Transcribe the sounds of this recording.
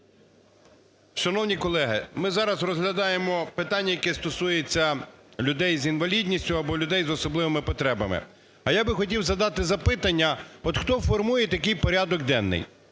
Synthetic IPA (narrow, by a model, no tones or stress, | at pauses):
ʃɐnɔwnʲikɔlˠɛɦɪ̰mɪzɑɾɐzrɔzɦlʲɐd̪ɑjemɔpɪt̪ɑnʲːɐjɐkɛst̪ɔsujet͡sʲːɐlʲʊd̪ɛjzinʋɐlʲidʲnʲisʲtʲʊɐbɔlʲʊd̪ɛjzɔsɔblˠɪʋemɪpɔt̪ɾɛbɐ̰mɪ̰ | ɐjabɪxɔtʲiwzɐd̪ɑt̪ɪzɐpɪt̪ɐnʲːɐɔt̪xt̪ɔfɔrmujɛt̪ɐkɪjpɔɾʲad̪ɔɡ̚d̪ɛnːɪ̰j